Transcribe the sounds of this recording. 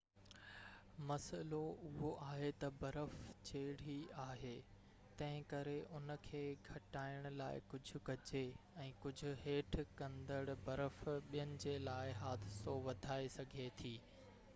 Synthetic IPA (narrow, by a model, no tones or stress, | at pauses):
mɐsəloʊɦoʔaːɦet̪ɐbɐɾəft͡ɕeːɽ̤iaːɦeː | t̪ɐ̃ɦɪ̃kɐɾeʔʊnə̆kʰeːɡʱɐʈaːɪəɽ̃ʊ̆laːɪ̰kʊd͡ʑʱʊ̆kɐd͡ʑeɛ̃ːkʊd͡ʑʱʊ̆ɦeːʈʰkɐ̃nd̪əɽ̆bɐɾəfɓijənɪ̆d͡ʑeːlaːɪɦaːd̪ɪsoʋɐd̪ʱaːesɐɡʱet̪ʰiː